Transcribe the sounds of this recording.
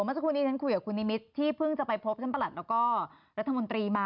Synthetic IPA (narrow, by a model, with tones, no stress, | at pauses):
ma˥˩sa˧˩kʰu˧nːiː˦˥˩t͡ɕʰa˥nkʰu˧jkaː˨˩kʰu˧nːi˦˥mi˦˥t̪ʰːiː˥˩pʰɯ˥˩ŋt͡ɕa˨˩pa˧jpʰo˦˥p̚t͡ɕʰa˥npa˧˨la˨˩t̪̚lːwkɔː˥˩ | ɾa˦˥t̪ʰːmo˧nt̪ɾiː˧maː˧˩